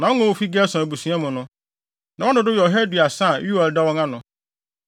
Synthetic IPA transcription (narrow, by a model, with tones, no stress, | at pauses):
nã˨wɔ˦ŋɔ̃˦wo˦fi˦ɡɛ˦sã˨bu˨sũ˨˦ã˦mʊ̃˨nʊ̃˦ | nã˨wɔ̃˦nʊ̃˨dʊ˦jɔ˨ɦɛ˦dɥa˨sã˦˨ju˦ɛ˨ldɛ˦wɔ̃˦ŋã˦nʊ̃˨